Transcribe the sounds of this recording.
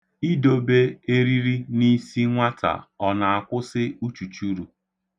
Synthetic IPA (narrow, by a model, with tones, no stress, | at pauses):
i˦do˨be˦e˦ɾi˦ɾi˦ni˦si˦ŋʷa˦tʰa̰˨ɔ˨na˨a˨kʷʊ˦sɪ˦u˦t͡ʃu˨t͡ʃu˦ɾu˨